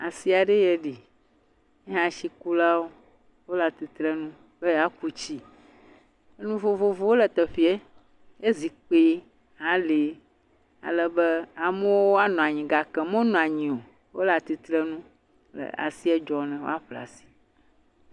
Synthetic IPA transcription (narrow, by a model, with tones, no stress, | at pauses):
a̰˨si˦a˨ɖe˦jɛ˨ɖi˨ | ɛ˦ɦã˨ʃi˨ku˦la˦wo˦ | wo˦la˨t̪i˨t̪ɾɛ˦nũ˦ | bɛ˦ja˦ku˦t͡ɕi˦ | e˦nũ˦vo˨vo˨vo˦wo˦lɛ˨t̪ɛ˨ɸi˦e˦ | e˦zi˨k͡pe˦ | ɦã˨˦le˨˦ | a̰˨lɛ˦bɛ˦a˨mɛ̃˦wo˦o˦a˦nɔ̃˨a˨ɲĩ˨ɡa˨kɛ˨mõ˦nɔ̃˨a˨ɲĩ˨o˨ | wo̰˦la˨t̪i˨t̪ɾɛ˦nũ˦ | lɛ̰˨a̰˨si˦ɛ˦d͡ʒɔ˨nɛ̃˨wo̰˦a˦ɸla̰˨si̥˨